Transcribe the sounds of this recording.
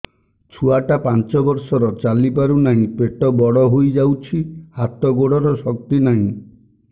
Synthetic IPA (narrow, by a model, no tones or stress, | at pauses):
t͡ʃʰuaʈapant͡ʃɔbɔɾsɔɾɔt͡ʃalipaɾunaɦĩpeʈɔbɔɽɔɦojd͡ʒawt͡ʃʰihat̪ɔɡoɽɔɾɔsɔk̚t̪inaɦĩ